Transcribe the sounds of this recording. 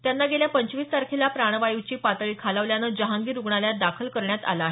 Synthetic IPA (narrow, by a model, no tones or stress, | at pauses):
t̪janːaɡeljapəɲt͡ɕʋiːsːaɾkʰelapɾaɳ̃ʋajiʋt͡ɕiːpat̪ɭiːkʰaləʋljanəd͡ʑəɦãŋɡiːɾuɡɳaljad̪akʰəlkəɾɳjat̪a̰laɦe